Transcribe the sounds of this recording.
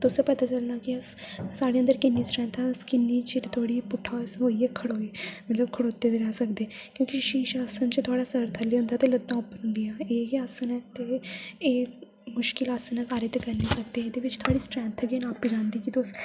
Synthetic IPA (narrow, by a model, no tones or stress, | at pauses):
t̪ʊsẽpət̪aːt͡ʃəlnaːkɪəssaːɽeːə̃nd̪əɾkɪnːiːsʈɾɛ̃ːnt̪ʰɛ̃ːskɪnːiːt͡ʃiɾt̪ʰoːɽiːpʊʈʰːaːsɦoːiːɛːkʰəɽoːeːmət̪ləbkʰəɽoːt̪eːd̪eːɾɛːsəkd̪eːkjõːkiʃiːʃaːsənt͡ʃt̪ʰʊaːɽaːsəɾt̪ʰəliːɦʊ̃nd̪aːt̪eːləd̪ãːʊpːənɦʊ̃nd̪iːãːeːiaːsənɛːt̪eːeː | mʊʃkɪlaːsənɛːsaːɾeːt̪ekəɾniːsəkd̪eːed̪eːʋɪt͡ʃt̪ʰʊaːɽiːsʈɾɛ̃ːnt̪ʰɡeːnaːpid͡ʒãːnd̪iːkit̪ʊs